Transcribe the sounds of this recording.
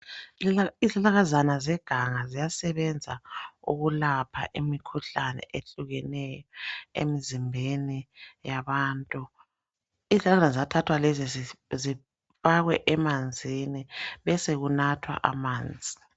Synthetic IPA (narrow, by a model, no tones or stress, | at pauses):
izalaɣazanazɛɡ̥ʱaŋazijasɛβɛnd͡zʱaṵɣulapʰa̰ʔimikʰuɬanɛ̰ʔeɬuɣɛnɛjɔḛmizimbʱenijaβaːntʼu | izɬalaanzatʰatʰwalɛzizi | faɣwɛʔɛmand͡zʱiniβɛseɣunatʰwa̰ʔa̰maːnd͡zʱi